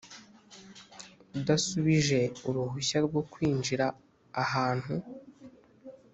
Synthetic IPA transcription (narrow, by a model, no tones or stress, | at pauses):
udasuβiʒe̞uɾuɦuɕaɾɡo̞kwiːnd͡ʒiɾaː | haːn̥hu